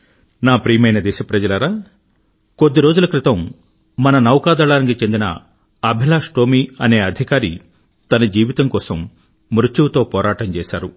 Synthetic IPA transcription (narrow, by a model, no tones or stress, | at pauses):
naːpɾiːmɐjnɐd̪ɛːʃɐpɾɐd͡ʒɐlɐɾaː | kod̪ːiɾo̞ːd͡ʒulɐkɾit̪ɐmː | ɐnɐnɐwkaːd̪ɐɭaːnik̬it͡ʃe̞nd̪inɐ̰ | ɐbʱilaːʂʈoːmiɐne̞ːɐd̪ʱikaːɾi | t̪ɐnɐd͡ʒiːʋit̪ɐŋkɔːsɐmː | ɾut͡ʃuwt̪o̞ːpɔːɾaːʈɐmt͡ʃɛːʃa̰ːɾu